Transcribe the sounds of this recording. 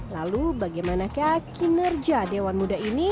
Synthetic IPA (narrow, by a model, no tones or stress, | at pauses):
lalubaɡajmanakahkʰinərd͡ʒadewanmudaini